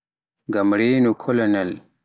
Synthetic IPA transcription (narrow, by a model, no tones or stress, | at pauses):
ɡɐmɽenukʰolɐnɐl